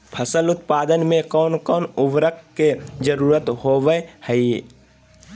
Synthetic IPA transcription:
pʰəsəlʊt̪̚paːd̪ənmẽkɔːnkɔːnʊʋɾəkked͡ʒəɾuːɾət̪hoʋəhəi

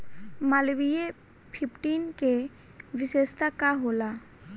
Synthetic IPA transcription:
malbije | pʰipʰʈinke | bisest̪akaɦola

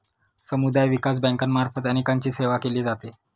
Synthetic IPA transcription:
səmud̪ajʋikas̬bɛ̃ŋkanmaɾfət̪añikaɲt͡ɕiːseʋakeliːd͡zat̪e

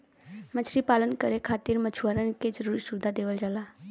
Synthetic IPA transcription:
mət͡ʃʰɾipalənkəɾekʰat̪iɾmət͡ʃʰuwəɾənked͡ʒəɾuɾisubd̪ʱad̪eʋəld͡ʒala

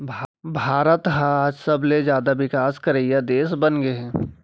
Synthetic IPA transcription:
bʱbʱaːɾət̪ɦãːd͡ʒsɐbled͡ʒjaːd̪aʋɪkaːskɐɾeːjad̪eːsbənɡeɛ̃ː

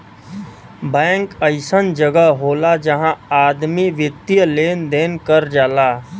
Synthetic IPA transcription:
bɛ̃ːŋkəɪsənd͡ʒəɡəɦɦoːlad͡ʒɐɦãaːd̪miʋjɪt̪iəleːnd̪eːnkəɾd͡ʒaːlaː

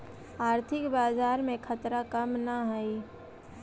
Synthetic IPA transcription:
aːɾt̪ʰɪkbaːd͡ʒaːɾmẽkʰət̪ɾakəmnaɦəi

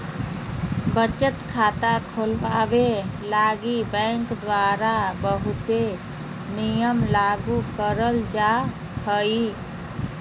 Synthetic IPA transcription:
bət͡ʃət̪kʰat̪akʰolbabelaɡibə̃ŋkd̪waɾabəɦut̪e | nijəmlaɡukəɾəld͡ʒa | həi

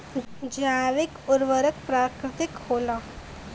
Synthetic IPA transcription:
d͡ʒaːʋɪkʊɾʋəɾək̚pɾaːkɾɪt̪ɪkhoːla

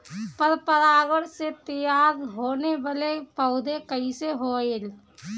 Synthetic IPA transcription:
pəɾpəɾaːɡəɽset̪əjaːɾɦoːnebalepəʊd̪ʱekəiseɦoel

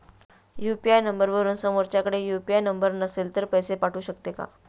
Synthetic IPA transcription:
jupiajnəmbəɾʋəɾuːnsəmoɾt͡ɕjakəɽejupiajnəmbəɾnəselt̪əɾpəjsepaʈʰuːɕəkt̪eka̰

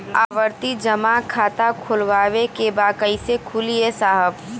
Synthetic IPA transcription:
a̰ːʋəɾt̪id͡ʒəmakʰaːt̪akʰʊlʋaːʋekebakəɪsekʰuliesaːɦəb

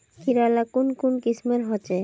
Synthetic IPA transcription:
kʰiɾalakonkunkismeɾɦɔt͡ɕe

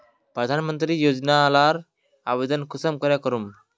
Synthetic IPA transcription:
pɾəd̪ʱanmənt̪ɾiːjod͡znaːlaɾ | abed̪ənkʰusəmkəɾjakəɾuːm

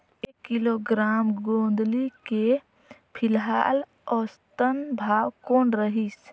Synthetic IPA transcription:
eːkːɪloɡɾaːmɡõːnd̪like | pʰɪlɦa̰ːl | ɔːst̪ənbʱaːwkoːnɾəɦis

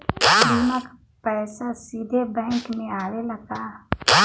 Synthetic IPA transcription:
d̪imək | pɛːsasiːd̪ʱebɛ̃ŋkmẽaːɾelɐɡaː

